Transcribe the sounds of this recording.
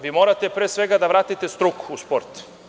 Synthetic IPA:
ʋimoɾat̪epɾeːsʋe̞ɡad̪aʋɾaːt̪it̪est̪ɾukuspo̞ɾt̪

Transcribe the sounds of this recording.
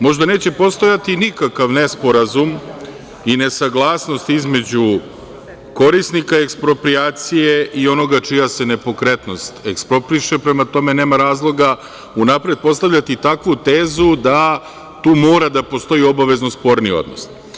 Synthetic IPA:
mo̞ʒd̪ane̞ːt͡ɕe̞po̞st̪o̞jat̪inikakaʋne̞spo̞ɾazum | ine̞saɡlˠaːsno̞st̪izme̞d͡ʑu | ko̞ɾisnikaekspɾo̞pɾiaːt̪sijeʔio̞no̞ɡat͡ʃijase̞ne̞po̞kɾe̞t̪no̞st̪ekspɾo̞pɾiʃepɾe̞mat̪o̞me̞ne̞ːmaɾaːzlˠo̞ɡa | unapɾe̞d̪̚po̞st̪aʋʎat̪it̪akʋut̪eːzud̪a | t̪uːmo̞ːɾad̪apo̞st̪o̞io̞baʋe̞zno̞spo̞ɾnio̰d̪no̞̰s

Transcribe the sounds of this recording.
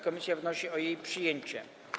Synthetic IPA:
kɔmʲisʲjavnɔɕiɔjejpʂɘjeɲt͡ɕɛ̰

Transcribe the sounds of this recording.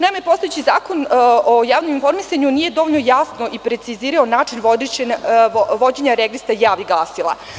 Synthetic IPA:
najmepo̞st̪ojet͡ɕizaːko̞nojaːʋnominfo̞ɾmisaɲuniːje̞d̪o̞ʋoʎnojasno̞ʔipɾe̞t̪siziːɾaonaːt͡ʂinʋod̪ | ʋo̞d͡ʑeɲaɾeɡlist̪ajaːʋiɡlˠaːsilˠa̰

